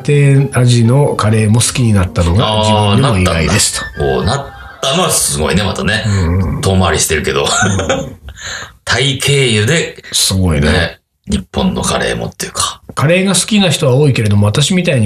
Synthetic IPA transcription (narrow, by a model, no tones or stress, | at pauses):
t̪e̞ːaʑino̞kaɾe̞ːmo̞sɨ̥kʲiɲ̟inat̪ːano̞ɡaad͡ʑiɯ̃d̪eamoiːaɡaid̪d̪e̞sɨ̥t̪o̥o̰ːnat̪ː | ano̞βasɨɡo̞̰ḭne̞mat̪ane̞ɯ̃t̪o̞ːmaɾʲiɕi̥t̪e̞ɾɯ̟ke̞d̪o̞̰ | t̪ʰaikʰe̞ːjɯ̟d̪e̞sɨɡo̞inee | ɲ̟ipːõ̞nːo̞kaɾe̞̰ːmo̞̰t̪ːejɯ̟kḁkaɾe̞ːɡasɨ̥kʲinaçi̥t̪o̞βaoːike̞ɾe̞d̪o̞mo̞at̪aɕimʲit̪aiɲ̟